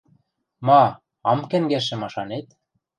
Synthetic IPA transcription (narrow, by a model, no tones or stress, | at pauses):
mɑ | ɑmkæ̆ŋɡæʃ̬ɘ̆mɑʃɑnet̪